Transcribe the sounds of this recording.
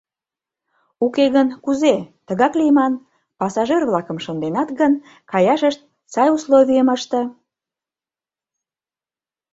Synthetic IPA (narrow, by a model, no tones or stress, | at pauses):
ukeɣənkuzet̪əɣɑklijəmɑn | pɑsɑʒerβlɑkə̆mʃond̪enɑt̪ɡən | kɑjɑʃəʃt̪̚ | sɑjusloβijəməʃt̪ə̆